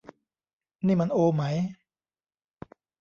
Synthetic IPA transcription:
niː˥˩ma˧nʔoː˧ma˦˥j

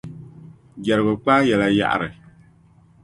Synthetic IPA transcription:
ɡɛ˨ɾɨ˨bɨ˨k͡paː˦jɛ˨la˨ja̰˨ʔa̰˨ɾɨ˨

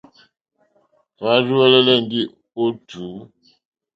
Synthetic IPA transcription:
fa˦zu˦ɛ˦lɛ˦lɛ˦˨n˨di˦ | o˦tu˨˦

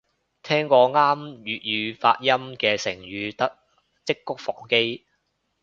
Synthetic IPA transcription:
t̪ʰɛː˥ŋkɔː˧ŋaː˥mjyː˨t̚jyː˨˧fa̰ː˧t̚jɐ˥mkɛː˧sɪ˨˩ŋɥyː˨˧t̪ɐ˥ | t͡sɪ˥kːʊ˥k̚fɔː˨˩ŋke˥j

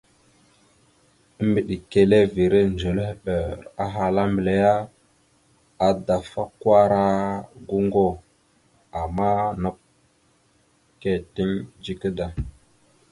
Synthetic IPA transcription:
ə˦mbi˨ɗi˨ke˨le˦vi˨ɾe˦nd͡ʒo˨lhɓə˨ɾa˦ɦa˨la˦mbə˨le˨ja˦ | a˨da˨fa˦kwa˦ɾa˦ɡu˦ŋɡo˦˨ | a˨ma˦nə˨p̚ | ke˦ti˦ŋd͡ʒi˦kə˦da˨

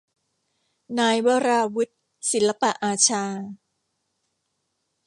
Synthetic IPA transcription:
naː˧jwɔː˧ɾaː˧wu˦˥t̪̚ | si˨˩˦nla˦˧pa˨˩ʔaː˧t͡ɕʰaː˧

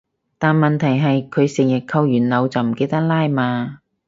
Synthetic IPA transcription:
t̪aː˨nmɐ˨˩nt̪ʰɐ˨˩jɦɐ˨jkʰɵ˨˧ɥsɪ˨˩ŋjɪ˨k̚kʰɐ˧wjyː˨˩nlɐ˨˧wt͡sɐ˨wm̩˨˩ke˨˧jt̪ɐ˥k̚laː˥jmaː˧

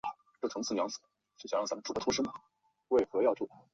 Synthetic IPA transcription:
a˧˩ | ʈ͡ʂʈ͡ʂʰŋt͡s̩ʰ˥˩jɑ˧˥ŋs̩˨˩˦ | t͡ɕjɕj̰ɻt͡sa˧˥ə˧nʈ͡ʂu˨˩kə˥t̪ʰu˧˥ʂɻ̩ə˥mə˨˩ | we˥˩ɪxɤ˧˥jɑ˥˧ʊʈ͡ʂu˥˩

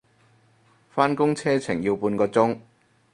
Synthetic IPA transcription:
faː˥nkʊ˥ŋt͡sʰɛː˥t͡sʰɪ˨˩ŋjiː˧wpuː˧nkɔː˧t͡sʊ˥ŋ

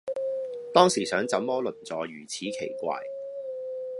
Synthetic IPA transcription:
t̪ɔː˥ŋsiː˨˩sœː˨˥ŋt͡sɐ˨˧˥mmɔː˥lɵ˨˩nt͡sɔː˨˧jyː˨˩t͡sʰiː˨˥kʰe˨˩jkʷa̰ː˧j

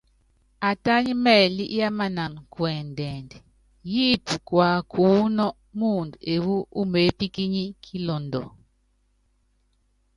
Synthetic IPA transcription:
a˨ta˦ɲi˦mɛ˦˨li˦ʔja˦ma˦na˨nkwɛ˨n˨dɛ˨nd | ji˦pu˨kwa˨kʰuː˨˦nɔ˦ʔ | mu˦˨nde˨wu˦u˦me˨˦pi˦ki˦ɲi˦kʰi˦lɔ˨ndɔ̰˨

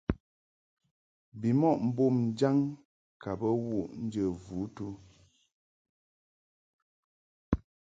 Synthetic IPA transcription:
bi˨mɔ˦ʔm̩˨bo˦˨mn̩˦d͡ʒa˦ŋ | ka˨bə˦wu˦˨ʔn̩˦d͡ʒə˨vu˨˦tu˦

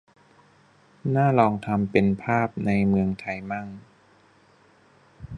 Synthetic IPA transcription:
naː˥˩lɔː˧ŋt̪ʰa˧mpe˧npʰaː˥˩p̚na˧jmɯ˧əŋt̪ʰa˧jma˥˩ŋ

